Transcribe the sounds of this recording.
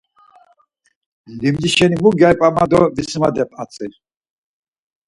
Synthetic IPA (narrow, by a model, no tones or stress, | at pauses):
limd̪iʃɛnimuɡajpʼamad̪ɔvisimad̪ɛpʼat͡sʼi